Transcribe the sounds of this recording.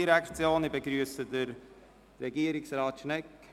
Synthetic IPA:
iɾakt͡sjoːnibəɡɾyəsədəɾ | ɾɛɡiːəɾɪksrɑːt̪ʃnɛk

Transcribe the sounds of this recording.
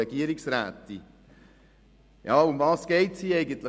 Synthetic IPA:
ɛɡiəɾiksɾæ̰ːt̪ːi | jɑːʊmvɑːsɡ̥ɛɪtshiːɛɪɡənt̪lɪ

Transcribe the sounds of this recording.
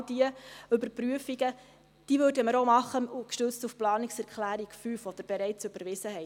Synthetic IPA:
d̥iəʏbəɾpɾyəfiɡə | d̥iʋøːrdəməɾomɑχːəukʃtøt͡stufplɑːniksɛɾkχlæːɾikfyːfɔd̥̪əɾb̥eɾɛɪt͡søb̥əɾʋɪsəɦɛ

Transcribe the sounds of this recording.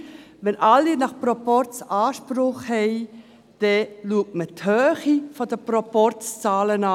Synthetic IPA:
ʋɛnʔalːinɑχpɾɔpɔɾt͡sɑːʃpɾʊχhɛɪ | d̥ɛluək̚tməthœːχifɔdəprɔpɔɾt͡st͡sɑːlənɑ

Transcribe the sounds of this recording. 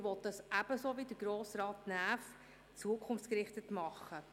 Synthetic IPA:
ʋɔt̪dɑsæb̥əsoʋidəɡ̥ɾoːsrɑːtnæːf | t͡suəkʰχʊnft͡sskɾɪχtətmɑχːə

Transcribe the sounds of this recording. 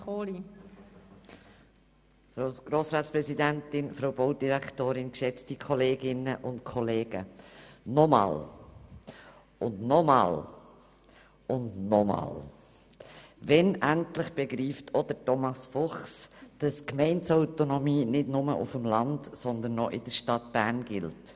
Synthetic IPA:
oːli | fɾoʊɡ̥ɾoːsɾɑːtspɾɛzidæntɪnfɾoʊboʊd̥iɾæktoːɾɪnkʃɛt͡stikʰɔleːɡɪnəʔʊntkʰɔleːɡ̥ə̰nɔmɑ̰ːl | ʊndnɔmɑ̰ːl | ʊndnɔmɑ̰ːl | ʋɛnʔæntlɪχb̥ɛɡɾiːftʰɔd̥ətɔmɑsfɔχsd̥ɑskmɛɪnsaʊtonɔmiːnɪdnʊmə̰ʔʊfəmlɑndsɔnd̪ənːɔʔɪd̥əʃtɑtb̥æːɾnɡɪ̰lt

